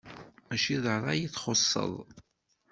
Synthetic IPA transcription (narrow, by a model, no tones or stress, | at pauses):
mæʃiðˤəɾˤɑjiθχosˤːə̰ðˤ